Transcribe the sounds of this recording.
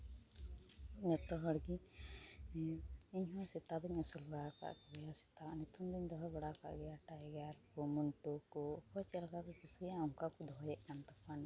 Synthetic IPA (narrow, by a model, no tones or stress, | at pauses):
ɲɔt̪ɔɦɔɽɡi | iɲɦɔ̃sit̪ad̪ɔɲɔsulbaɽaka̰ʔkɔɡɛjasi̥t̪anit̪umd̪ɔɲd̪ɔɦɔbaɽaka̰ʔɡɛjaʈajɡaɾkɔmuɳʈukɔkɔt͡ʃɛlkat̪ɔpisɡɛjaɔŋkakud̪ɔɦɔjɛʔkant̪ɔpan